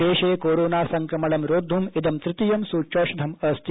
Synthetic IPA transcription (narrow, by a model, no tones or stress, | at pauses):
eːʃeːkoːɾoːnaːsɐŋkɾɐmɐɭɐmɾoːd̪ʱːumid̪ɐmt̪ɾɪt̪ijɐmsuːt͡ʃoːʃɐd̪ʱɐmɐst̪ʰi